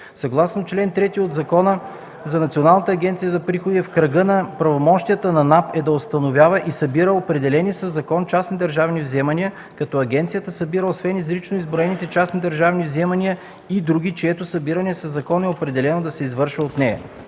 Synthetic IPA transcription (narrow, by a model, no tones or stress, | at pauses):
sɐɡlˠasnot͡ʃlɛnt̪ɾɛt̪iod̪zɐkɔnə | zɐnɐt̪sʲionalˠnət̪əːɡʲɛnt̪sijəzɐpɾixod̪ifkɾɐɡɤnɐpɾɐvomɔʃt̪ijət̪ənɐnapɛd̪ɐost̪ɐnovʲjavɐʔisɐbiɾəopɾɛd̪ɛlɛnisɐzɐkɔnt͡ʃasnʲid̪ɐɾʒavnivzɛmɐniə | kɐt̪ɔɐɡʲɛnt̪sijət̪əsɐbiɾəosvɛnizɾit͡ʃnoizbɾoɛnit̪ɛt͡ʃasnid̪ɐɾʒavnivzɛmɐnʲiə | id̪ɾuɡʲit͡ʃɛɛt̪ʊsɐbiɾɐniɛsɐzɐkɔnɛopɾɛd̪ɛlɛnod̪ɐsɛizvɤɾʃvəot̪nɛjɐ̰